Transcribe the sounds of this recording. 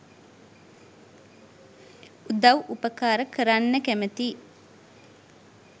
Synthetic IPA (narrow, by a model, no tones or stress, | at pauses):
ud̪ɐwʔupəkaːɾəkəɾanːəkæmət̪iː